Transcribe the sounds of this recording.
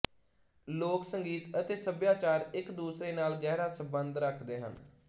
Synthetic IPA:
loːksəŋɡiːt̪ət̪eːsəbjaːt͡ʃaːɾɪkd̪uːsɾeːnaːlɡɛːɾaːsə̃mbənd̪ɾəkʰd̪eːɦə̰n

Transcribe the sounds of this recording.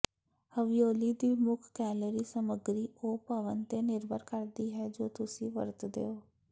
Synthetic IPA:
həʋijoːliːd̪iːmʊkʰkɛːləɾiːsəməɡɾiːoːpəʋənt̪eːnɪɾbʱəɾkəɾd̪iːɦɛːd͡ʒoːt̪ʊsĩːʋə̰ɾt̪d̪ḛːoː

